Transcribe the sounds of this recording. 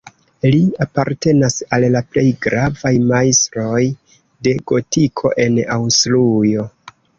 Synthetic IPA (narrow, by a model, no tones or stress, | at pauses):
liapaɾte̞nasallaple̞jɡɾavajmajstɾo̞j | de̞ɡ̥o̞tikʰo̞̰ʔe̞nawslujo̞